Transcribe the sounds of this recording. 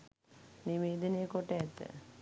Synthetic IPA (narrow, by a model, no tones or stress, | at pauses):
niʋeːd̪ənejəkoʈəɛt̪ːə̰